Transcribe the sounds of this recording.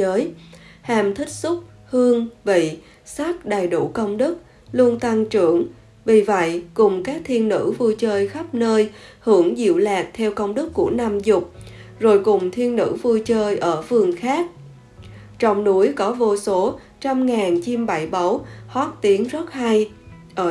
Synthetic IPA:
zəː˨˦jhaː˨˩mt̪ʰï˦˥k̟̚sʊ˦˥k͡p̚ | hɨ˧əŋvḭ˧˨ | sa˦˥k̚ɗa˨˩jɗu˧˩kə˧wŋ͡mɗɨ˦˥k̚ | lu˧ənt̪a˧ŋt͡ɕɨ˧˩əŋ | vi˨˩və̰˧˨jkʊ˨˩ŋ͡mkaː˦˥k̚t̪ʰi˧ənːɨ̰˧˥vu˧jt͡ɕəː˧jxa˦˥p̚nəː˧jhɨ˧˩əŋzḭ˧˨wlaː˨˩k̚t̪ʰɛ˧wkə˧wŋ͡mɗɨ˦˥kːu˧˩əna˧mzʊ˨˩k͡p̚zo˨˩jkʊ˨˩ŋ͡mt̪ʰi˧ənːɨ̰˧˥vu˧jt͡ɕəː˧jʔəː˧˩vɨ˨˩əŋxaː˦˥k̚ | t͡ɕɔ˧wŋ͡mnu˨˦əjkɔ˨˦vo˧so˨˦ | t͡ɕa˧mŋaː˨˩nt͡ɕi˧mɓa˧˩jɓə˨˦whɔ˦˥t̚t̪i˨˦əŋzɔ˦˥t̚ha˧j | ʔəː˧˩

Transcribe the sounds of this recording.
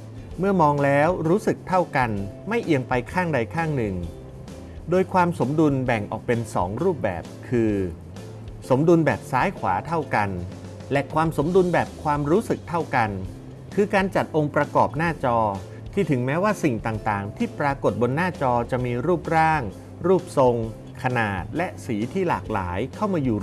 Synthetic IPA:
mɯ˥˩ɐmɔː˧ŋlɛː˦˥wɾuː˦˥sɯ˨˩k̚t̪ʰa˥˩wka˧n | ma˥˩jʔi˧əŋpa˧jkʰaː˥˩ŋda˧jkʰaː˥˩ŋnɯ˨˩ŋ | doː˧jkʰwaː˧mso˩˦mdu˧nbɛ˨˩ŋʔɔ̰ː˨˩k̚pe˧nsɔ̰ː˩˦ŋɾuː˥˩p̚bɛ̰ː˨˩p̚kʰɯː˧ | so˩˦mdu˧nbɛː˨˩p̚saː˦˥jkʰwa̰ː˩˦t̪ʰa˥˩wka˧n | lɛ˧˩ʔkʰwaː˧mso˩˦mdu˧nbɛː˨˩p̚kʰwaː˧mɾuː˦˥sɯ˨˩k̚t̪ʰa˥˩wka˧n | kʰɯː˧kaː˧nt͡ɕa˨˩t̪̚ʔo˧ŋpɾa˧kɔː˨˩p̚naː˥˩t͡ɕɔː˧ | t̪ʰiː˥˩t̪ʰɯ˩˦ŋmɛː˦˥waː˥˩si˨˩ŋt̪aː˨˩ŋt̪aː˨˩ŋt̪ʰiː˥˩pɾaː˧ko˨˩t̪̚bo˧nːaː˥˩t͡ɕɔː˧t͡ɕa˨˩ʔmiː˧ɾuː˥˩p̚ɾaː˥˩ŋ | ɾuː˥˩p̚so˧ŋ | kʰa˧naː˨˩t̪̚lɛ˦˥ʔsiː˩˦t̪ʰiː˥˩la̰ː˨˩k̚la̰ː˩˦jkʰa˥˩wmaː˧juː˨˩

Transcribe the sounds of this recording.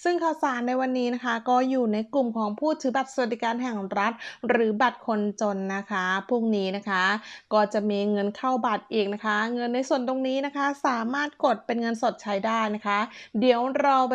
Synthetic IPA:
sɯ˥˩ŋkʰaː˥˩wsaː˩˦nːa˧jwa˧nːiː˦˥na˦˥kʰa˦˥kɔː˥˩juː˨˩na˧jklu˨˩mkʰɔː˩˦ŋpʰuː˥˩t̪ʰɯː˩˦ba˨˩t̪̚sa˧wa˨t̪̚di˨˩kaː˧nɦɛ˨˩ŋɾa˦˥t̪̚ɾɯː˩˦ba˨˩t̪̚kʰo˧nt͡ɕo˧nːa˦˥kʰa˦˥pʰuː˥˩ŋniː˦˥na˦˥kʰa˦˥kɔː˥˩t͡ɕa˨˩miː˧ŋɤ˧nkʰa˥˩wba˨˩t̪̚ʔiː˨˩k̚na˦˥kʰa˦˥ŋɤ˧nːa˧jsu˨˩ənt̪o˧ŋniː˦˥na˦˥kʰa˦˥saː˩˦maː˥˩t̪̚ko˨˩t̪̚pe˧nŋɤ˧nso˨˩t̪̚t͡ɕʰa˦˥jdaː˥˩jna˦˥kʰa˦˥di˩˦əwɾaː˧

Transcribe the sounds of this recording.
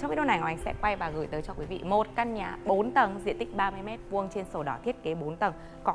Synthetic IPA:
t͡ɕɔ˧ŋ͡mfi˨˦˥ɗo˧na˨˩jŋɔ˨ʔŋsɛ̰˧˥kwa˧jvaː˨˩ɣɨː˨˩jt̪əː˨˦jt͡ɕɔ˧kwi˨˦vḭ˧˨mo˨˩t̚ka˧nɲaː˧˩ɓo˨˦nt̪ə˨˩nzḭ˧˨nt̪ï˦˥k̚ɓaː˧mɨ˧jmɛ˦˥t̚vu˧əŋt͡ɕe˧nso˧˩ɗɔ˨˦t̪ʰi˦˥ət̚ke˨˦ɓo˨˦nt̪ə˨˧˩ŋ | kɔ˨˦

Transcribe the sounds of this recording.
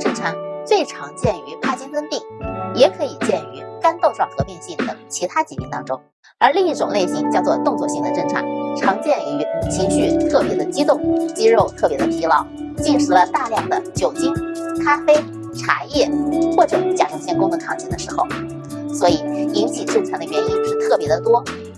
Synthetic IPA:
ʈ͡ʂə˥nʈ͡ʂʰa˧˥t͡swe˥˩ɪʈ͡ʂʰɑ˧˥ŋt͡ɕjɛ˥˩ny˧˥pa˥t͡ɕɛ˥nt̪ə˥nt̪i˥˩ŋjɛ˧˥kʰɤ˧˥i˨˩t͡ɕjɛ˥˩ny˧˥ka˥nt̪o˥˧ʊʈ͡ʂwɑ˥˩xɤ˧˥pi˥˧ŋɕi˥˩ŋd̪ə̰˩t͡ɕʰi˧˥t̪ʰa˥t͡ɕi˧˩ḭ˥˩nt̪ɑ̰˥ŋʈ͡ʂʊ̰˥ŋ | ə˞˧˥li˥˧ŋi˥˩ʈ͡ʂʊ˨˩ŋle˥˩ɪɕi˧˥ŋt͡ɕjɑ˥˧ʊt͡swɔ˥˧t̪ʊ˥˧ŋt͡swɔ˥˧ɕi˧˥˩ŋd̪ə˨˩ʈ͡ʂə˥nʈ͡ʂʰa̰˧˥ʈ͡ʂʰɑ˧˥ŋt͡ɕjɛ˥˩ni˧˩y˧˥˩nt͡ɕʰi˥˩ɕy˥˧t̪ʰɤ˥˩pjɛ˧˥d̪ə˧t͡ɕi˥t̪ʊ˥˩ŋt͡ɕi˥ɻo˥˧ʊt̪ʰɤ˥˩pjɛ˧˥d̪ə˧pʰi˧˥lɑ˧˩ʊt͡ɕi˥˧nʂɻ̩˥˩lə˩t̪a˥˧ljɑ˥˩ŋd̪ə˩t͡ɕjo˨˩ʊt͡ɕi˥˩ŋkʰa˥fe˥ɪ | ʈ͡ʂʰa̰˧˥jɛ˥˩xwɔ˥˩ʈ͡ʂɤ˨˩˦t͡ɕja˥ʈ͡ʂʰʊ˧˥ŋɕjɛ˥nkʊ˥ŋd̪ə˨kʰɑ˥˩ŋt͡ɕʰi˥˩nd̪ə˨˩ʂɻ̩˧˥xo˧˩ʊ | swɔ˧˥i˨˩i˥nt͡ɕʰi˨˩ʈ͡ʂ̩˥˩nt͡sʰa˧˥d̪ə˧ɥɛ˧˥ni˥n˧˥˩t̪ʰɤ˥˩pjɛ˧˥d̪ə˧t̪wɔ˥

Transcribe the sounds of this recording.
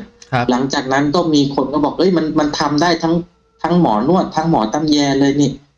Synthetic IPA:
la˩˦ŋt͡ɕaː˨˩k̚na˦˥nkɔː˥˩miː˧kʰo˧nkʰɔ˥˩bɔː˨˩k̚ʔɤ˦˥˩jma˧nma˧nt̪ʰa˧mdaː˥˩jt̪ʰa˦˥ŋ | t̪ʰa˦˥ŋmɔː˩˦nu˥˩ətt̪ʰːa˦˥ŋmɔ̰ː˩˦t̪a˧mjɛː˧lɤː˧jniː˥˩

